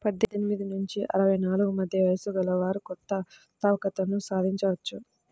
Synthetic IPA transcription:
pɐd̪ːedenimid̪inuɲt͡ʃiʔɐ̰ɾɐʋɐjnaːluɡumɐd̪ʱjɐʋɐjsuɡɐlɐʋaːɾukɔt̪ːɐ | t̪aːʋɐkɐt̪ɐnusaːd̪ʱiɲt͡ʃɐʋɐt͡ʃːu

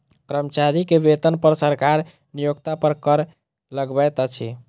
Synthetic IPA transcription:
kɾəmt͡ʃaɾikebet̪ənpəɾsəɾkaɾ | nijoɡt̪apəɾkəɾ | ləɡbɛjt̪ət͡ʃʰi

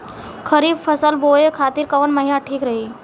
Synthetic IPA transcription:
kʰəɾiːbfʰəsəlboːekʰaːt̪iːɾkəʋənməɦinaʈʰiːkɾəɦi

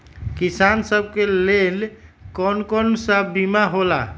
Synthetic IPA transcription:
kisansəb̚ʱkelelkɔnkɔnsəbimaɦola̰

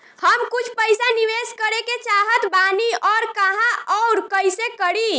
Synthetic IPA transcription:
həmkut͡ʃʰpəjsaniʋeskəɾeket͡ʃaɦət̪baniɔːɾkəɦãʔɔwɾkəjsekəɽi

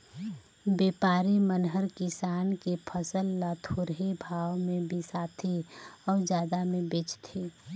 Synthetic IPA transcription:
beːpaːɾimənɦəɾkɪsaːnkepʰəsəlːat̪ʰoːɾɦebʱaːwmẽbʱisaːt̪ʰiɔːɾd͡ʒjaːd̪amẽbɪt͡ʃt̪ʰeː

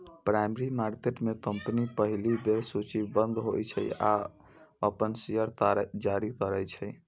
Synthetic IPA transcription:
pɾajmeɾimaɾkeʈmekəmpnipəɦilibeɾsut͡ʃibənd̪ɦojt͡ʃʰə̰ja̰ | əpənsijəɾt̪aɾd͡ʒaɾik̪əɾɛjt͡ʃʰəj

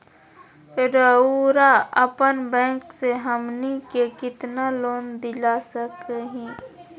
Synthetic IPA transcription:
ɾəuɾaəpənbɛ̃ːkseɦəmnikekɪt̪naloːnd̪ɪlasəkɦĩː

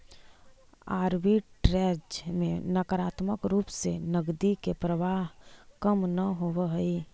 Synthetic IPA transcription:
aːɾbiʈɾɛd͡ʒmẽnəkəɾaːt̪məkɾuːpsenəɡd̪ikepɾəʋaːɦkəmnəɦoʋəɦəi

